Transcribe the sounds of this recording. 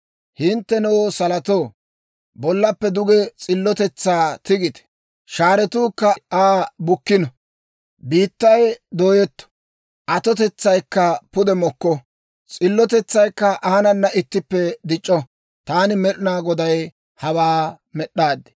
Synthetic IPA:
hɪnt̪ːɛnɛwosɐlɐt̪oː | bɔlːɐpːɛd̪ʊɡɛt͡sʼɪlːɔt̪ɛt͡sːaːt̪ɪɡɪt̪ɛ̥ | ʃaːɾɛt̪uːkːɐaːbʊkːɪnɔ | biːt̪ːɐjd̪oːjɛt̪ːɔ̥ | ʔɐt̪ɔt̪ɛt͡sːɐjkːɐpʊd̪ɛmɔkːɔ | t͡sʼɪlːɔt̪ɛt͡sːɐjkːɐʔɐnɐnːɐɪt̪ːɪpːɛd̪ɪt͡ʃʼːɔ | t̪aːnɪmɛɾɪnaːɡɔd̪ɐj | hɐwaː | mɛɗːaːd̪ɪ̥

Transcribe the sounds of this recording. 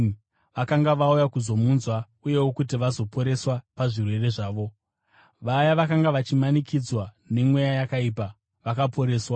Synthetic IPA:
ʋakaŋɡaʋaujakuzo̞munzwa | uje̞wokut̬iʋazo̞po̞ɾe̞swapaʐirwe̞re̞ʐaːʋo̞ | ʋajaʋakaŋɡaʋat͡ʃimanikʰid͡zwa | ne̞mwejajakaiːpa | ʋakapʰo̞ɾe̞ːswa

